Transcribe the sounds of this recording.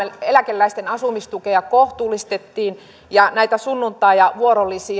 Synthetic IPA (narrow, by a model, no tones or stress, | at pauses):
elækelːæist̪enɑsumist̪ukeɑkoht̪uːlˑist̪et̪ːiːn | jɑnæit̪æsunːunt̪ˑɑijɑʋuoɾolːˑisi